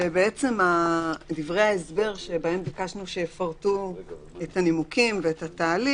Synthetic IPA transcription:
ebeet͡se̞madivʁe̞jaesbe̞ʁʃebae̞mbikaʃnuʃejefaʁtu | etanimukimveetataːli

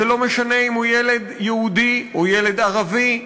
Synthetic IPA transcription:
elo̞meʃaneimhujele̞d̪jeud̪iojele̞d̪aʁavi

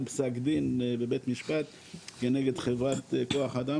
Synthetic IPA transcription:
psakd̪inbebet̪miʃpat̪ | keneɡed̪χevʁat̪koaχad̪a

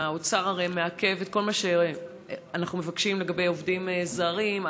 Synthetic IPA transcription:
aot͡saʁaʁejmeake̞vet̪̚ko̞lmaʃe | anaχnume̞vakʃimle̞ɡabe̞jovdimezaʁim

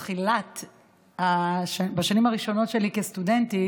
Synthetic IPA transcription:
χilat | haʃabaʃanimaʁiʃo̞no̞tʃelikestudenti

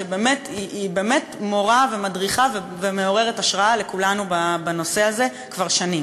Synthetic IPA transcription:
ʃebe̞ːmetiibeːme̞tmo̞ʁave̞madʁiχave | veme̞o̞ʁe̞ʁetaʃʁaale̞kulanubabano̞se̞aze̞ | kvaʁʃani

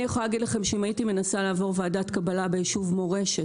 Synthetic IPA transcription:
ijeχolalaɡidlaχe̞mʃeimaitime̞nasalaːvo̞ʁvaːdatkabalabejiʃuvmo̞ʁe̞ʃet

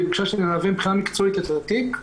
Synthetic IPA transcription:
bikʃaʃenenaːvembχinamikt͡soet̪et̪aat̪ik

